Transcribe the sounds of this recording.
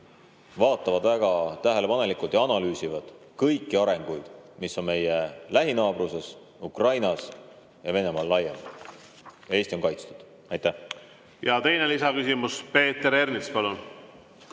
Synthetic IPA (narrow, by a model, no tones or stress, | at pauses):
vɑːt̪ːˑɑvɑd̪væɡ̥ɑt̪æɦe̞le̞pɑne̞likult̪jɑɑnɑlyːsivɑd̪̥ | kɤjkːˑiɑɾe̞ŋɡ̥ujd̪̥misːo̞nme̞jelæɦinɑːb̥ruse̞s | ukrɑjnɑs | jɑve̞ne̞mɑlːɑjːem | jɑe̞st̪io̞nŋkɑjt̪st̪u̥d̪̥ | ɑjt̪ːæh | jɑt̪e̞jnelisɑkysimuspe̞ːt̪eɾe̞rnispɑlun